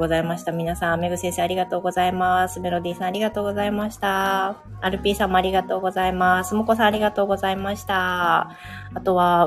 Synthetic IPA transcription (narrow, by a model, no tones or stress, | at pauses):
ɡozaimaɕi̥t̪amʲinasãmme̞ɡɯ̟sẽ̞ɰ̃seaɾʲiɡat̪o̞ːɡo̞zaimasɨme̞ɾo̞d̪iːsãaɾʲiɡat̪o̞ːɡo̞zaimaɕi̥t̪a | aɾɯ̟pʲiːsãmːoaɾʲiɡat̪o̞ːɡo̞zaimasɨmoko̞sãɰ̃aɾʲiɡat̪o̞ːɡo̞zaimaɕi̥t̪a | at̪o̞βa